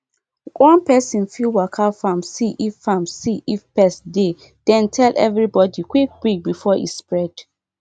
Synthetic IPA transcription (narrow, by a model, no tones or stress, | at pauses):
wʔɔ̃npɛsĩnfilwakʰafãmsiʔifːamsiʔifpɛsde | d̥ɛ̃ntʰɛlʔɛvɹibɔdikwik̚bɹik̚bifɔḭspɹɛd̥